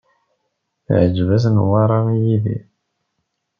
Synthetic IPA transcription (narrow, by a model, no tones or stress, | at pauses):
θʕəd͡ʒvæsnwɑɾˤɑijiðḭ